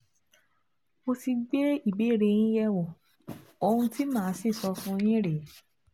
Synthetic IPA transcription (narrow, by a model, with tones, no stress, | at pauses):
o˧ti˧ɡ͡be˦i˦˨be˨˦˨ɾe˧j̃ĩ˦jɛ˦wɔ˨ | o˧hũ˧ti˦mãː˦˨˦si˦˨sɔ˧fũ˧j̃ĩ˦ɾe˨˦